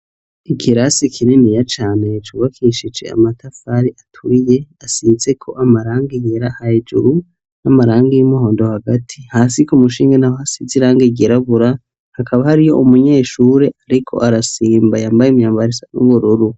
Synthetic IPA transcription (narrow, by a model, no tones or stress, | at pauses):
ikʰiɾasikʰininijat͡ʃaːne̞t͡ʃuːβakʰiʃid͡ʒe̞̰a̰matʰafaɾiʔatʰuɾije̞asizekʰo̞̰ʔamaɾaːŋɡiɡeɾahaed͡ʒṵɾu | namaɾaːŋɡijimuhoːndohaɡatʰihaːsikumuʃiːŋɡanaohasiziɾaːŋɡiɡeɾaβuɾa | hakʰaβahaɾijo̞ʔumuɲe̞ːʃuɾe̞ʔaɾikʰo̞̰ʔaɾasiːmbajaːmbajimɲaːmbaɾisanṵβuɾuɾu